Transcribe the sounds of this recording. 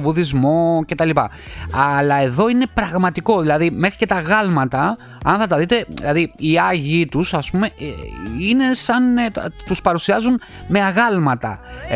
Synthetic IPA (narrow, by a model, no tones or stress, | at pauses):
vuðizmo̞ce̞t̪ɐlipɐ̰ | ɐlɐe̞ðo̞ine̞pɾɐɣmɐt̪iko̞ðilɐðime̞xɾice̞t̪ɐɣɐlmɐt̪ɐ | ɐ̰nθɐt̪ɐðit̪e̞ḭlɐðiiɐʝit̪usɐspume̞ | ine̞sɐnt̪uspɐɾusiɐzun | me̞ɐɣɐlmɐt̪ɐ̰